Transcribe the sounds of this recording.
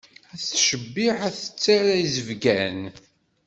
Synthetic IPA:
æθʃəbːiħæθə̥t͡sːaɾæjzəvɡæn

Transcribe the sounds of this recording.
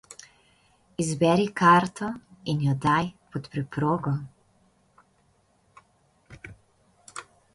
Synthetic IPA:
izbɛɾikaɾt̪ɔinjɔd̪ajpɔt̪pɾɛpɾoːɡɔ

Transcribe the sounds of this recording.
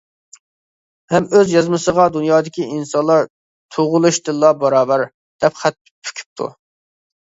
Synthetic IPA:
hɛmøzjɑzmɨsəʁɑd̪unjɑːd̪ɪkʲiinsɑnlˠɑɾ | t̪ʰoʁʊlˠuʃd̪ɨlːˠɑbɑɾɑːbæɾ | d̪̥ɛpχæt̪̚ | pʰy̥kʲʰy̥p̚t̪ʰṵ

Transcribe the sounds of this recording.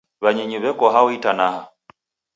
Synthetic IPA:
βaɲɛɲuβɛkɔɦaɔitanaha

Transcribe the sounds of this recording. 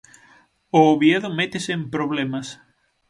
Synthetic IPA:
oːβjeðomet̪esempɾoβlemas

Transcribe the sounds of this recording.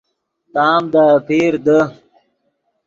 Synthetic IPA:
t̪aːmd̪apʰeːɾd̪ə

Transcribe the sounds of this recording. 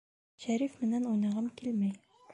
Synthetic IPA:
ɕæɾifmɘ̆nænujnɤ̆ʁɤmkilmæj

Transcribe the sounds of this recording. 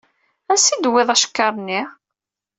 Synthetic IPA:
ænsid̪weðˤæʃə̥kːɑɾˤnːi

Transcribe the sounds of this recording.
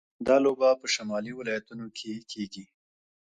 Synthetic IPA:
d̪ɑlobapəʃamɑliwɪlɑjat̪unokʰekʰeɡi

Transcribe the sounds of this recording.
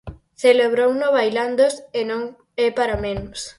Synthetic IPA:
θeleβɾownoβajland̪osenõŋ | epaɾamẽnos

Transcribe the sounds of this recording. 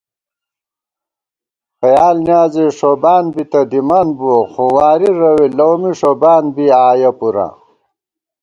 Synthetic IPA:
xɐjaːlnjaːzeʂobaːnbit̪ɐd̪imanboxowaːɾiɾɐwilɐwmiʂobaːnbiaːjɐpuɾa̰

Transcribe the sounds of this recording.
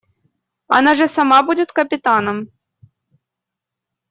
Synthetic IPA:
a̰naʐɐsamabud͡zʲɛt̪kɐpʲɪt̪anɐm

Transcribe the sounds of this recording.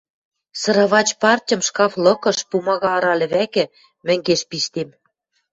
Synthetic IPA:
sɤ̆ɾɑβɑt͡ɕpɑrtʲɤ̆mʃkɑflɤ̆kɤ̆ʃpumɑɣɑːɾɑlʲɘ̆βækɘ̆ | mɘ̆ŋɡeʃpiʃt̪em

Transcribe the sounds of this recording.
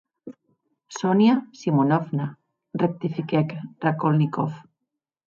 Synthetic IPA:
sɔnjasimonɔfna | rek̚t̪ifikɛkrakolnikɔf

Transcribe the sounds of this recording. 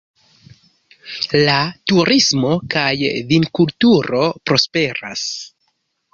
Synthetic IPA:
latuɾismo̞kajvinkultuɾo̞pɾo̞spe̞ɾa̰s

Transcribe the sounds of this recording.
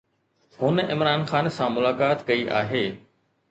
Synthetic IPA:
hʊnɪmɾaːnxaːnsãːmʊlaːkaːt̪kɐiʔa̰ːɦeː

